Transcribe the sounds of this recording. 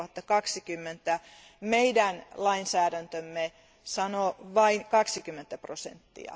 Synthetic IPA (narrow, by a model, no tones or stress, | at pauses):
hɑt̪ːɑkɑksikymːent̪ːˑæ | meidænlɑinsæːdænt̪ømːe | sɑnoʋɑiŋkɑksikymːent̪ːæprosḛnt̪ːḭɑ̰